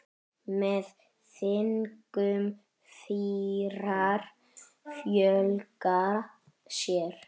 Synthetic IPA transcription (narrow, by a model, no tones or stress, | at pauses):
mɛð | θɪnkʏm | fiɾaɾ | fjœlka | sjɛɾ̥